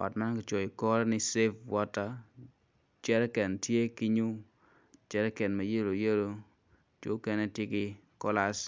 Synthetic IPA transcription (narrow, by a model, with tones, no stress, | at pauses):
ɔ̰˨tma˦nkɪ˨˦t͡ʃo˨i˨kɔ˦ɾɔ˦nɪ˦se˦fwɔ˦ta˦ | t͡ʃɛ˦ɾɛ˦kɛ˨ntje˦ki˦ɲu˦ | t͡ʃɛ˦ɾɛ˦kɛ˨nma˨je˦ɾo˨je˦ɾo˨ | t͡ʃo˦kɛ˦ne˦tjɪ˦kɪ˦ | kɔ˦la˦s